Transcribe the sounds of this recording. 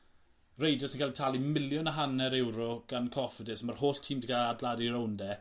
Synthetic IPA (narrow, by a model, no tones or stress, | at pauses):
rejdɔsinkaːlˠtʰalˠimɪljɔnaɦanɛɾɛwɾɔɡ̥ankʰɔfədɪsmarhoːɬtʰiːmdikaadladiɾowndɛ